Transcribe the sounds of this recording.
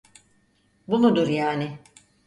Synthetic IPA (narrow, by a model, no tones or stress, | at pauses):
bunud̪uɾjaːnɪ